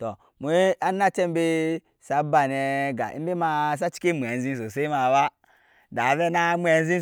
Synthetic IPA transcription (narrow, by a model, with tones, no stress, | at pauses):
to˨ | mu˨˦a˦na˦t͡ʃe˦m˦be˦ | sa˨ba˨ne˨ɡa̰˨ḭ˦m˦be˦ma˨s̬a˦t͡ʃi̥˦ki˦mʷ˨e˨n˦zi˦ns̬o˨se˦i˦ma˨wa˦ | da˨ve˦na˦mʷ˦e˨n˦zi˦